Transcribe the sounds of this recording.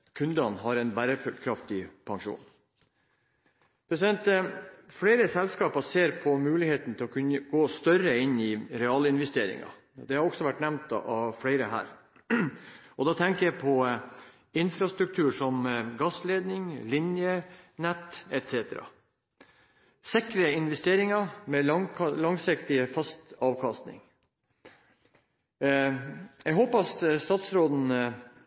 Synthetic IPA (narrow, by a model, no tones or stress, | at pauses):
kʰʉnd̪ɑnɦɑɾɛnbæːɾəfʉlkʰɾɑft̪ɪpʰɑŋʂṵːn | pʰɾɛsɪd̪ɛnt̪fleɪɾəsɛlskɑːpɑseːɾpʰɔmʉːlɪheːt̪n̩t̪ʰɪlɔkʰʉnːəɡoːst̪œɾəɪnːɪɾɛɑːlɪnʋɛst̪eːɾɪ̰ŋɑ̰ | d̪ɛhɑɾɔɡ̥sɔʋæʈːnæʋnt̪ɑ̰ɑfɽæɪɾəɦæ̰ːɾ | ɔd̪ɑːt̪ʰɛŋkəjæɪpʰɔ | ɪnfɾɑst̪ɾʉk̚t̪ʰʉːʂɔmɡɑsleːd̪nɪŋlɪnjənɛt̪ːɛt̪seːt̪əɾɑ̰ | sɪkɾəɪnʋɛst̪eːɾɪŋɑɾmɛlɑŋsɪkt̪ɪəfɑst̪ɑːʋkʰɑst̪nɪ̰ŋ | jɛɡɦɔpɑsst̪ɑːt̪sɾoːd̪n̩